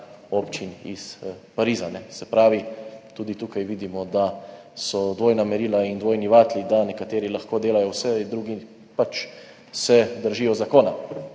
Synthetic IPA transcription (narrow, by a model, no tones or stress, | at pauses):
opt͡ʃinḭspaɾiːzanɛsɛpɾaːʋit̪uːd̪it̪uːkajʋiːd̪imɔd̪a | sɔd̪ʋoːjnamɛɾiːlaind̪ʋoːjniʋaːt̪lid̪anɛkat̪eːɾilaxkoːd̪eːlajɔwsɛd̪ɾuɡi | pat͡ʃ | sɛd̪əɾʒiːjɔzakoːna